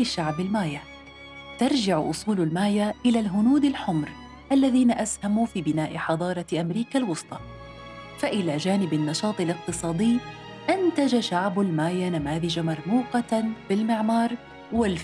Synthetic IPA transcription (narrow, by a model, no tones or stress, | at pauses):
ɪʃaʕbɪlmaːja | t̪ɑɾˤd͡ʒɪʕʔʊ̰sˤuːlalmaːjaʔɪlalɦʊnuːd̪ɪlħʊmɾ | ʔalːaðiːnaʔashamufiːbɪnaːʔɪħɑd̪ˤɑːɾˤɑʔamɾiːkalwʊsˤt̪ˤɑ | faʔɪlad͡ʒaːnɪbɪnːɑʃɑːt̪ˤɪlɪq̚t̪ɨsˤɑːd̪ɪjː | ʔɪnt̪ad͡ʒaʃaʕbalmaːjanamaːðɪd͡ʒamɑɾˤmuːqɑbɪlmɪʕmɑːɾˤ | wɪl